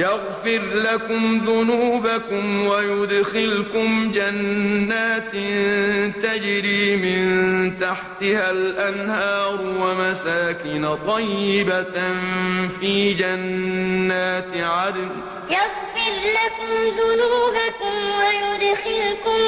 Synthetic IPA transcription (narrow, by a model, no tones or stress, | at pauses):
jaɣfɪɾlakʊmðʊnuːbakʊmwajʊd̪xɪlkʊmd͡ʒanːaːt̪ | t̪ad͡ʒɾiːmɪnnt̪aħt̪ɪhalʔanhɑːɾwamasaːkɪnat̪ˤɑjːɪbanfiːd͡ʒanːaːt̪ʕad̪n | jaɣfɪɾlakʊmðʊnuuːbakʊmwajʊd̪xɪlkʊm